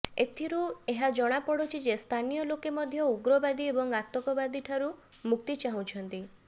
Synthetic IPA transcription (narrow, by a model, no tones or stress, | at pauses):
et̪ʰiɾueɦad͡ʒɔɽ̃apɔɽot͡ʃʰid͡ʒest̪ʰanijɔlokemɔd̪ʱjɔuɡɾɔbad̪iebɔŋat̪ɔkɔbad̪iʈʰaɾu | muk̚t̪it͡ʃaɦũt͡ʃʰɔnt̪i